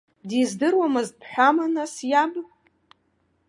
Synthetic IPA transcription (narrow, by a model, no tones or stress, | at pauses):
dizdɨrwamɨzpʰħᶣʷamanasjab